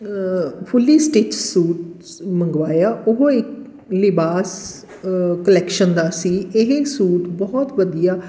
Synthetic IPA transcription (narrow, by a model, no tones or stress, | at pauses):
pʰʊlːiːsʈeːt͡ʃsuːʈ | mə̃ŋɡʋaːjaːʊɦoɪk | lɪbaːs | kəlɛːkʃənd̪aːsiːɪɦsuːʈbɔːɔt̪ʋəd̪ijaː